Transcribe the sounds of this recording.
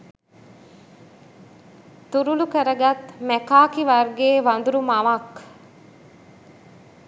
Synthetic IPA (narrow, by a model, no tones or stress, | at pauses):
t̪uɾulukəɾəɡɐt̪mækaːkiʋɐrɡeːʋɐnd̪uɾumɐʋɐk